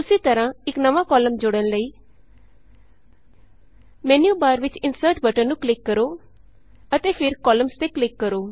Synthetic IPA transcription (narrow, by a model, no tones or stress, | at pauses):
t̪ʊsiːt̪əɾãːɪknəʋaːkɔːləmd͡ʒʊɽənləiː | mɛːnijuːbaːɾʋɪt͡ʃɪnsəɾʈbəʈəɾnũːklɪkːəɾoː | ət̪eːpʰɪɾkɔːləmst̪eːklɪkːəɾoː